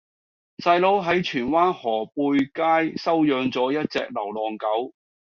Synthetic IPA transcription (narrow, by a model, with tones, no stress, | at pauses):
sɐ˧jlo˨˧wɦɐ˨˥jt͡ʃʰyː˨˩nwaː˥nhɔː˨˩puː˧jkaː˥jsɐ˥wjœː˧ŋt͡sɔː˨˥jɐ˥t̚t͡sɛ̰ː˧k̚lɐ˨˩wlɔː˨˩ŋkɐ˨˥w